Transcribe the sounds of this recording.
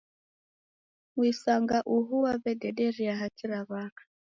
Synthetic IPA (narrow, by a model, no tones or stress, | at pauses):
ŋwisaŋɡaʔuɦuwaβɛdɛɗɛɾiaɦat͡ʃiɾaβaːkḁ